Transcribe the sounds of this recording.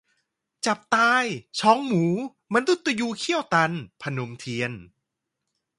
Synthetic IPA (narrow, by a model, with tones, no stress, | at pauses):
t͡ɕa˨˩p̚t̪aː˧jt͡ɕʰɔː˨˦˥ŋmuː˩˦ | ma˧nd̪u˨˦˥t̪ːa˧juː˧kʰi˥˩əwt̪a˧npʰa˧no˧mt̪ʰi˧ən